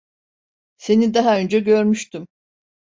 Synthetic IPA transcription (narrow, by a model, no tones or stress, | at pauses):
se̞nid̪aɦaø̞nd͡ʒɛɟø̞ɾmyʃt̪ym